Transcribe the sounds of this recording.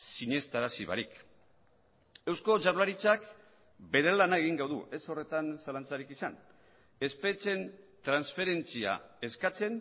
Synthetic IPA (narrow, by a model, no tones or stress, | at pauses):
siɲe̞st̪aɾasiβa̰ɾik | e̞wsko̞t͡ʃaɾβlaɾit͡sak | be̞ɾe̞lanae̞ɣ̞iŋɡawðṵʔe̞so̞re̞t̪ansalant͡saɾikisan | e̞spe̞t͡se̞nt̪ɾansfe̞ɾe̞nt͡sia̰e̞skat͡se̞n